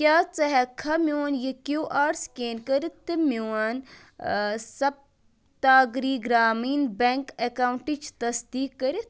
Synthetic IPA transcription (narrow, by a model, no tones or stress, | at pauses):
kʲaːt͡sɐɦɛkʰɐmuwɐnjekjuːʔaːɾskeːnkɐɾit̪ɨmiwɐn | sɐb̚ | t̪aːɡɾiːɡɾaːmiːnbeŋkekaːwɳʈit͡ʃʰt̪ɐsd̪iːkːɐɾit̪